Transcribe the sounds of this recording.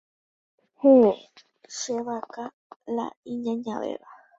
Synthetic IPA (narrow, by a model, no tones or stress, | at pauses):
he | ʃeʋaka | la̰ĩɲãɲãʋḛʋa